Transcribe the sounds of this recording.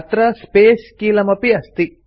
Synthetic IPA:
t̪ɾɐspeːskiːlɐmɐpiɐst̪i

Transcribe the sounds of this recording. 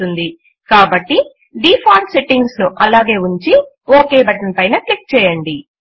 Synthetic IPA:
und̪i | kaːbɐʈːi | ɖiːpʰaːʈse̞ʈːiŋɡsnuʔɐlaːɡe̞ːuɲt͡ʃi | oːke̞ːbɐʈɐnpɐjnɐklik̚t͡ʃɛːjɐɳɖi

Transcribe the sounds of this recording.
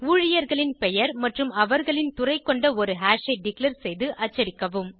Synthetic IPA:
uːɻɪjɐɾɣɐɭɪnpɛjɐɾmɐʈrɯmɐʋɐɾɣɐɭɪnt̪ʊrɐɪkːɔɳɖɐɔɾɯɦaːʂɐɪɖɪklɐɾsɛjðɯʔɐt͡ʃːɐɾɪkːɐʋɯm

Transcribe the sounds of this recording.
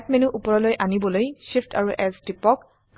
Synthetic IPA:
t̚menuʔupɔɹɔlojʔanibɔlojʃipʰtʰaɹuʔɛsdipɔk

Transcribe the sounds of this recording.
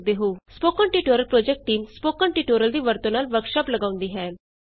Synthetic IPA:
d̪eɦuspokəɳʈiʈoɾəlpɾod͡ʑek̚ʈːiːmspokəɳʈiʈoɾəld̪iːʋəɾt̪onalʋəkʂapləɡaʋũnd̪iɦɛ̃

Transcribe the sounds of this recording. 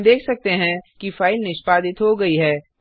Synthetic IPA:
d̪eːkʰsɐk̚t̪eɦɛ̃kifaːɪlnɪʃpaːd̪ɪt̪ɦoɡɐiɦɛː

